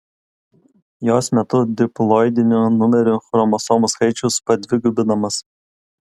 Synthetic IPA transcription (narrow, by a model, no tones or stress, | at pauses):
joːsmʲɛt̪ʊd̪ʲɪplˠɔːɪd̪ʲɪnʲʊnʊmʲɛɾʲʊxɾɔmɔsoːmʊskɐɪt͡ʃʲʊspɐd̪ʲʋʲɪɡʊbʲɪnɐmɐs